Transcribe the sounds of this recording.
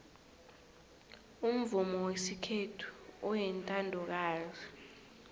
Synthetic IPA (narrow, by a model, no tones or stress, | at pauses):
um̩vumɔwesikʰetʰu̥ɔjɛntʼandʱɔk̬aːzi